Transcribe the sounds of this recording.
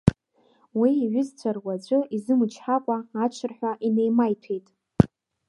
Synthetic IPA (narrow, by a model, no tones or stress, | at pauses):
wiːɥʷʊzt͡ɕʷʰarwad͡ʒʷʼʊizɨmɨt͡ʃʰħakʷʼaat͡ʃʷʰɨrħʷᶣaʔine̞jmajtʰejtʼ